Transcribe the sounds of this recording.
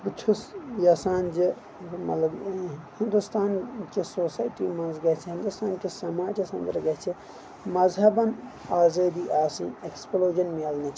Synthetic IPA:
but͡ʃʰusjaːsaːnd͡ʒi | mɐ̰lɐhɪnd̪ust̪ʰaːnt͡ʃisoːsaːiʈimɐ̃nzɡɐt͡ʃʰiɦɪnd̪ust̪ʰaːnt͡ʃisɐmaːd͡ʒisɐ̃nd̪ɾɐɡɐt͡ʃʰi | mɐzɦɐbɐnaːzeːd̪iːʔaːsĩneksploːd͡ʒɐnmiɐlnit͡ʃʰ

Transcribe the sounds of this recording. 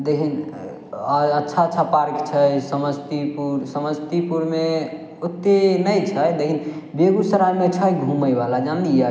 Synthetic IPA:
d̪ekʰin | ətːʃʰaətːʰapaɾkt͡ʃʰəjsəməd͡ʒt̪ipuɾsəməd͡ʒt̪ipuɾme | ut̪ːenəjt͡ʃʰəjd̪ekʰinbeɡusəɾajmet͡ʃʰəjɡʱuməjbalad͡ʒanlia

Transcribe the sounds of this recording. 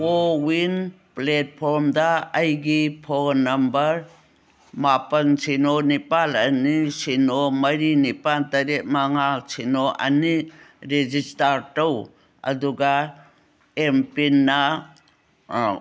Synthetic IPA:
owin | plet̚pʰɔɾmdaːjɡipʰɔɡnɐmbɐɾ | mapɐnsinonipalɐnisinomɐɾinipantɐɾet̚maŋasinoʔɐ̰niɾed͡ʒistaɾtaw | ɐ̰duɡa | empinːa

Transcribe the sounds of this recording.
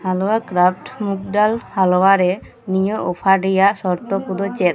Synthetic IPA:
halɔwakɾapʰʈmuk̚ɖalhalɔwaɾɛ | nijɔʔɔpʰaɖɛjaʔsɔɾt̪ɔpud̪ɔt͡ʃɛt̪

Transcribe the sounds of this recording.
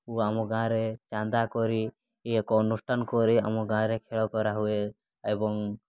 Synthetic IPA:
uamɔɡʱãɾet͡ʃãnd̪akɔɾi | ekɔnusʈʰankɔɾia̰mɔɡãɾekʰeɭɔkɔɾaɦue | ebɔŋ

